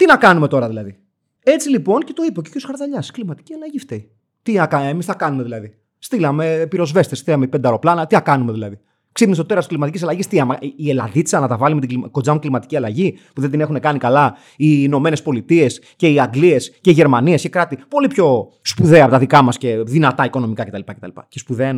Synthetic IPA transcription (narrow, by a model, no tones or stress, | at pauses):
t̪inɐkɐnume̞t̪o̞ɾɐðilɐði | e̞t͡silipo̞ncet̪o̞ipeoceɾosxɐɾðɐʎɐsklimɐt̪i̥ciɐlɐʝift̪ei | t̪iɐkɐemisθɐkɐnume̞ðilɐði | st̪ilɐme̞piɾo̞zve̞st̪est̪ilɐmeipend̪ɐɾo̞plɐnɐt̪iɐkɐnumeðilɐði | ksipnist̪oe̞ɾɐst̪i̥slimɐt̪icisɐlɐʝist̪iɐmielɐ̰ðit͡sɐnɐt̪ɐvɐlime̞t̪iɡlimko̞d͡zɐmuklimɐt̪i̥ciɐlɐʝipuðend̪ine̞xune̞kɐnikɐlɐ | ino̞me̞ne̞spo̞lit̪ie̞s | ce̞iɐŋɡlie̞sceiʝe̞ɾmɐniescekɾɐt̪ipo̞lipço̞ | spuðeɐpot̪ɐðikɐmɐsce̞ðinɐt̪ɐiko̞no̞mikɐce̞t̪ɐlipɐcet̪ɐlipɐ̰cespuðen